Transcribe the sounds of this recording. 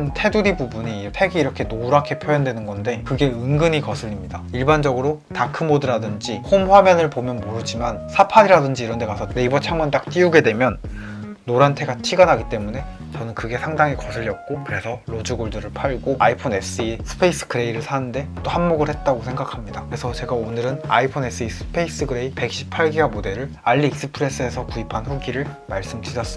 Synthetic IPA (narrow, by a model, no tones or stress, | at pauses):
ntʰe̞duɾibubuɲitʰe̞ɡiːɾʌkʰe̞noɾakʰe̞pʰjojʌndwe̞nɯnɡʌnde̞kɯɡe̞ɯŋɡɯɲikʌsʰɯʎːimɲidaiɭband͡ʑʌɡɯɾotakʰɯmodɯɾadɯnd͡ʑihomɸwamjʌnɯɭpomjʌnmoɾɯd͡ʑimansʰapʰaɾiɾadɯnd͡ʑiːɾʌnde̞ɡasʰʌne̞ibʌt͡ɕʰaŋmant͈ak̚t͈iuɡe̞dwe̞mjʌnː | oɾantʰe̞ɡat͡ɕʰiɡanɦaɡit͈e̞mune̞ | t͡ɕʌnɯnkɯɡe̞sʰaŋdaŋikʌsʰɯʎjʌk̚k͈okɯɾe̞sʰʌɾod͡ʑuɡoɭdɯɾɯɭpʰaɭɡoaipʰone̞s͈ɯisʰɯ̥pʰe̞is͈ɯ̥kɯɾe̞iɾɯɭsʰanɯnde̞t͈ohanmoɡɯɭhe̞t̚t͈aɡosʰe̞ŋɡakʰamɲidakɯɾe̞sʰʌt͡ɕe̞ɡaonɯɾɯnaipʰone̞s͈ɯisʰɯ̥pʰe̞is͈ɯɡɯɾe̞ipe̞k̚ɕ͈i̥pʰːaɭɡiɾamode̞ɾɯɭaʎːiːk̚s͈ɯpʰɯɾe̞s͈ɯe̞sʰʌkuipʰanɸuɡiɾɯɭmaɭs͈ɯmtɯɾʌs͈ɯ